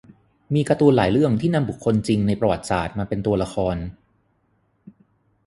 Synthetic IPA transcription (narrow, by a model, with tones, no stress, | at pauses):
miː˧kɾa˧t̪u˧laː˩˦jɾɯ˥˩əŋt̪ʰiː˥˩na˧mbu˨˩kʰːo˧nt͡ɕi˧ŋna˧jpɾa˧wa˨˩t̪̚sa̰ː˨˩t̪̚maː˧pe˧nt̪u˧ɐla˧xʰɔː˧n